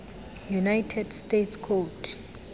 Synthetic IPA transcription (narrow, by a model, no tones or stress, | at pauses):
junajtʰɛdstetʰskʰɔtʰ